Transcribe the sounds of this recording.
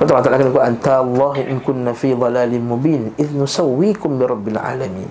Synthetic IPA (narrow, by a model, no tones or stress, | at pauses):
fat̪ˤɑbant̪alʔakɪlnakuːlʔant̪aʔlˤːɑːhʔɪnkʊnːafiːd̪ˤɑlaːlɪmʊbiːnʔɪðnʊsawːiːkʊmbɪɾˤɑbːɪlʕa̰ːlamiːn